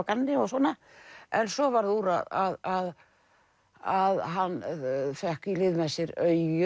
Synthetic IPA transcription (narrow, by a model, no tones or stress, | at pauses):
kanːɪɔɣsɔːna | ɛnsɔvaɾðuɾaðaðað | aðɦanːfɛhkilɪðmɛsɪɾœɥʏ